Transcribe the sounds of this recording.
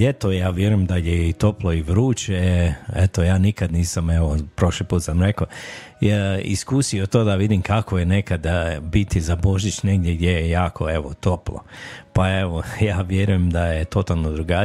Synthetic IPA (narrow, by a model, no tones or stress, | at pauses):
et̪ojaːʋjeɾujemd̪ajeit̪o̞plˠo̞iʋɾuːt͡ʃeet̪o̞jaːnikad̪niːsame̞ʋopɾo̞ʃlipuːt̪samɾe̞ko | ḭskuːsiot̪oːd̪aʋid̪imkakojene̞kad̪bit̪izabo̞ʒit͡ʃneɡd̪ʲjeɡd̪jejejaːkʰo̞̰e̞ʋo̰t̪o̞plˠo̰pae̞ʋojaːʋjeɾujemd̪ajet̪o̞t̪alˠnod̪ɾuɡa